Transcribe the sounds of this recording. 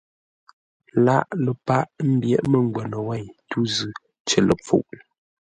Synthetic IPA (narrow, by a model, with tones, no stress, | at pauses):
la˦˨ʔlə˨pa˦ʔm̩˦bjɛ̰˦˨ʔmə˦˨ŋ˨ɡwɛ˨nə˨wɛ˦˨ɲtu˦zʉ˨ | t͡ʃə˨lə̰˨p͡fṵ˦˨ʔ